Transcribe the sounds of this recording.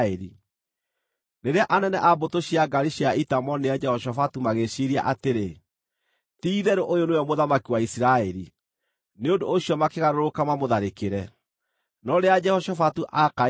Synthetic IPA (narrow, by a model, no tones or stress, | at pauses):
ɛɾḭ | neɾeaʔanɛnɛʔabotoɕiaɡaɾiɕiaitamɔnead͡ʒɛhɔʃɔfatumaɣeʃiɾia̰ʔateɾe | tiːðɛɾoʔojoneɔmoðamakiwaisiɾaɛɾi | neondooɕiɔmakeɣaɾoɾokamamoðaɾekeɾɛ | nɔɾead͡ʒɛhɔʃɔfatuʔaka